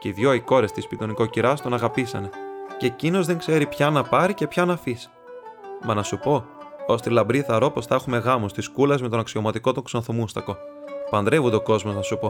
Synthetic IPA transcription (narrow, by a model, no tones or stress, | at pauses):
ceiðʝo̞iko̞ɾe̞st̪ispit̪o̞niko̞ciɾɐst̪o̞nɐɣɐpisɐne̞cecino̞zðe̞ŋkse̞ɾipçɐnɐpɐɾice̞pçɐnɐfis | mɐnɐsupo̞ost̪ilɐmbɾiθɐɾo̞po̞sθɐexume̞ɣɐmost̪iskulezme̞t̪o̞nɐksio̞mɐt̪iko̞t̪oŋksonθomust̪ɐko̞pɐnd̪ɾe̞vund̪eo̞ko̞zmo̞znɐsupo̞